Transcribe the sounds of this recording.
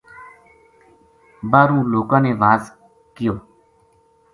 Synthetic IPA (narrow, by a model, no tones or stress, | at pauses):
baːɾũːloːkãːneːʋaːz | kɪjoː